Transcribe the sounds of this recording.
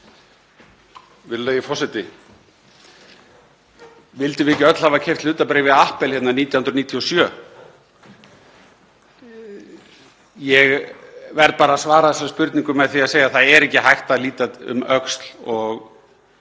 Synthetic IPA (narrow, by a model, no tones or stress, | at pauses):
vɪɾlœːjɪfɔsɛt̪ɪ | vɪlt̪ɪvɪɛcːɪœt̪lhavacʰɛjft̪lʏːt̪apɾejɪvɪðahpɛlhɛt̪naɾniːt̪jahnɾɔniːt̪ʰiɔsjœː | jɛɣvɛɾt̪̚paːɾasvaːɾaðθɛsaspʏɾt̪niŋkʏmɛðθiaðseːjaθaðɛɾɛhcɪɦajht̪aðliːt̪atʏ̰mœkst̪l̥ɔɣ